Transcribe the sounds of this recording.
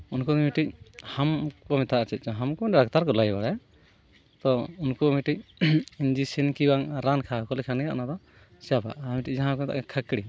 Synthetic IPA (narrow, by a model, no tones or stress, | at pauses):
unkɔd̪ɔmiʈic̚hamkɔmɛt̪ʰaʔat͡ʃɛt̪̚ˀt͡ʃɔɦamkɔɛɾak̚t̪aɾkɔlajbaɽaj | t̪ɔunkɔmiʈic̚iɲd͡ʒisinkibaŋɾankʰakɔlɛkʰanaʔnad̪ɔ | sɛjapa̰ʔmiʈic̚d͡ʒaɦãkɔmɛt̪a̰ʔkɛkʰakɽi